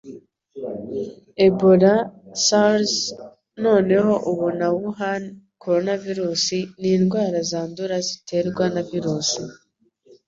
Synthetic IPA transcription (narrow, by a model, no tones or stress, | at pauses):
e̞boɾasals | no̞ːne̞ho̞ʔuβunawuɦan | kʰo̞ɾo̞naviɾuːsiniːndɡwaːɾazaːnduɾazitʰe̞ɾɡwanaviɾuːsi